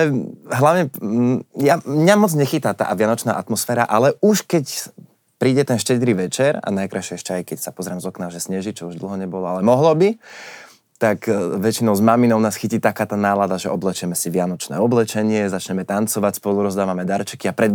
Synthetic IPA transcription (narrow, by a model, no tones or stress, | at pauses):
ɛɦlaʊɲɛ | jamɲamɔd͡zɲɛxit̪at̪a̰ːʔʋɪanɔt͡ʃna̰ːʔat̪mɔsfɛːɾaʔalɛuʃkɛc | pɾiːɟɛt̪ɛnʃcɛd̪ɾiːʋɛt͡ʃɛɾa̰najkɾajʃɪɛɛʃcɛajkɛcsapɔzɾaːmzɔknaʒɛsɲɛʒit͡ʃɔuʒd̪l̩ˠɦɔɲɛbɔlɔalɛmɔɦlɔbi | t̪akʋɛt͡ʃinɔʊzmaminɔʊnaːsxiciːt̪akaːt̪aːnaːlad̪aʒɛɔblɛt͡ʃɛmɛsiʋɪanɔt͡ʃnɛ̰ːɔblɛt͡ʃɛɲɪɛzat͡ʃɲɛmɛt̪ant͡sɔʋacspɔluɾɔzd̪aːʋamɛd̪aɾt͡ʃɛ̥kiapɾɛ